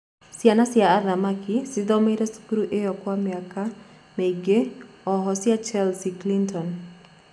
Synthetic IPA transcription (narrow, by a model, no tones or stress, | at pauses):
sjanasɪjaːðamakisɪd̪ɔmeɾesu̥kuɾuʔejɔkwamiaka | meɡe | ɔɦɔsɪjat͡ʃalsiklintʰɔn